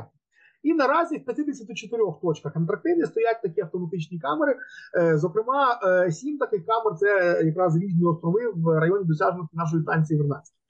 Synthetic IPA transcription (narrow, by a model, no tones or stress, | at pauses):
inɐɾɑzʲiwpʲɐt̪ʲɪd̪esʲɐt̪ʲut͡ʃet̪ɪɾʲɔxt̪ɔt͡ʃkɐxɐnt̪ɾɐk̚t̪ɪwnʲist̪ɔjat̪̚ʲt̪ɐkʲiɐft̪ɔmɐt̪ɪt͡ʃnʲikɑmeɾɪzɔkɾɪmɑsʲimt̪ɐkɪxkɑmert̪sɛjɐkɾɑzɾʲiʒʲnʲiɔst̪ɾɔʋɪwɾɐjɔnʲid̪ɔsʲaʒnɔt̪ʲɪnɑʃ̬ɔjist̪ɑnʲt͡sʲijiʋɪrnɑt͡sʲɐ̥t̪ʲ